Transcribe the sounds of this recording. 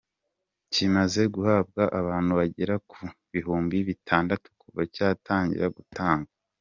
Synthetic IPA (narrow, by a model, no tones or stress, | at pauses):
cimaze̞ɡuhab̚ɡaʔaβaːnhuβaɟeɾakʰuβiɦuːmbiβitʰaːndatu̥kuvacaːtʰaːɲɟḭɾaɡutʰaːŋɡa